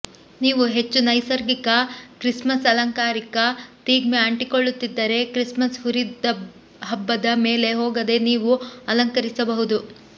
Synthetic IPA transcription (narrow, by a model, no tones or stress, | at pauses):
niːʋuɦe̞t͡ʃːunɐjsɐɾɡikɐkɾismɐsɐlɐŋkaːɾikɐt̪iːɡmeɐɳʈiko̞ɭːut̪ːid̪ːɐɾe̞kɾismɐsɦuɾid̪ɐ | ɦɐbːɐd̪ɐme̞ːle̞ɦoːɡɐd̪e̞niːʋuɐlɐŋkɐɾisɐbɐɦud̪u